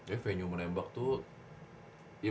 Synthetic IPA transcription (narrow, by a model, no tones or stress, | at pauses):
ɛfeɲumənembak̚t̪u | i